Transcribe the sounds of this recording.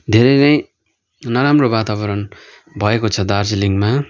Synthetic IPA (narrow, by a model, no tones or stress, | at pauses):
d̪ʱeɾʌjnʌj | nʌɾamrobat̪abʌɾʌn | bʱʌekot͡sʰʌd̪ard͡ziliŋɡma